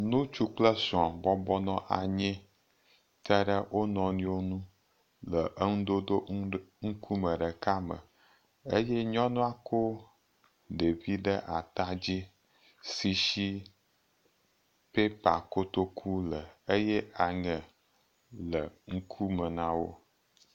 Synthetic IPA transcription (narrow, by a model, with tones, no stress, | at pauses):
nũ˦t͡ʃu˦k͡plə˦su˨a˨bɔ˦bɔ˦nɔ̃˦ʔa˨ɲɛ̃˦ | t̪ə˦ɖə˦wʔo˦nɔ̃˨nĩ˦wo˦nũ˦ | lə˨ʔə˦ŋũ˦d̪o˦d̪o˦ŋ̩˦kʰu˦mə̃˨ɖə˨ka˦mə̰˨ | e˦je˦ɲɔ̃˦nɔ̃˦a˦ko˦ | ɖe˨vi˦ɖə˦ʔa˨t̪a˦d͡ʑi˦ | si˨ʃi˦ | pe˦pa˨ko˦t̪o˦kʰu˦lə˨ə˦je˦a˨ŋə̃˨ | lə˨ŋ̩˦kʰu˦mə˨nã˦wo˦